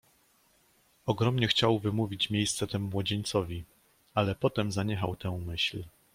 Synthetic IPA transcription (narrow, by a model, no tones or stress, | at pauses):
ɔɡɾɔmɲɛxt͡ɕawvɘmuvʲit͡ɕmʲjejst̪sɛt̪ɛmuːwɔd͡ʑeɲt̪sɔvʲi | alɛpɔt̪ɛmzaɲɛxawt̪ɛ̃mɘɕl